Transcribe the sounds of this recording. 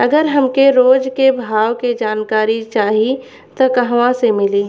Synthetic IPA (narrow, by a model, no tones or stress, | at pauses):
ɐɡəɾɦɐmkeɾoːd͡ʒkebʱaːwked͡ʒaːnkaːɾit͡ʃaːɦi | t̪okɐɦʋãsemɪliː